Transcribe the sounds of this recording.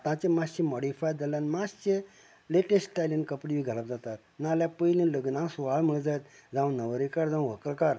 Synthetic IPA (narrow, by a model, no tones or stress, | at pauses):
t̪ãt͡ɕẽmaɕĩmɔɽifajd͡z̪alanmast͡ɕe | leʈesʈʈalənkəpɽiʋiːɡʱələp̚d͡zat̪at̪̚naljapəjlĩləɡnãsuʋaɭm̤əɭd͡zajt̪d͡zãw̃nəʋəɾikaɾd͡zãw̃ʋəkəɭkaɾ